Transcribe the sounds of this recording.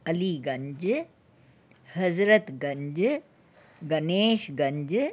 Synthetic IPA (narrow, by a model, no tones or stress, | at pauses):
ɐliːɡɐɲd͡ʒ | hɐzɾət̪ɡɐɲd͡ʒ | ɡɐneːʃɡɐɲd͡ʒ